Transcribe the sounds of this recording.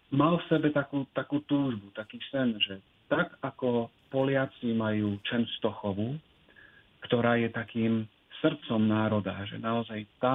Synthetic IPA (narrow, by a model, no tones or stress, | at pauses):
malfsɛbɛt̪akuːt̪akuːt̪uːʒbut̪akiːsɛnʒɛ | t̪aɡakɔ | pɔlɪat͡simajuːt͡ʃɛnst̪ɔxɔʋu | kt̪ɔɾaːjɛt̪akiːm | sr̩t̪t͡sɔmnaːɾɔd̪aʒɛ̰naɔzajt̪a